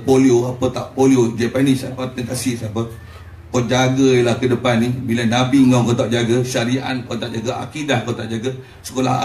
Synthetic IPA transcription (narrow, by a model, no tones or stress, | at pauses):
polioapət̪aʔpoliod͡ʒapanisapat̪əŋk̪asisapə | kod͡ʒaɡəilahkədəpanːibilanabiŋakət̪aʔd͡ʒaɡəʃaɾiʔa̰nkot̪aʔd͡ʒaɡaʔa̰kidahkot̪aʔd͡ʒaɡə | sə̥kola̰